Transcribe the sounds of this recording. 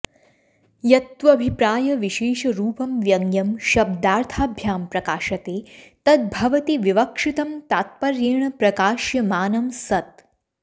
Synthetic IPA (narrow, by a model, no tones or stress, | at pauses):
jɐt̪ʋɐːbʱipɾaːjɐʋiʃeːʃɐɾuːpɐmʋjɐŋjɐmʃɐb̚d̪aːɾt̪ʰaːbʱjaːmpɾɐkaːʃɐt̪eːt̪ɐt̪̚bʱɐʋɐt̪iʋiʋɐkʂit̪ɐmt̪aːt̪̚pɐɾjeːɳ̃ɐpɾɐkaːʃjɐmaːnɐmsɐt̪̚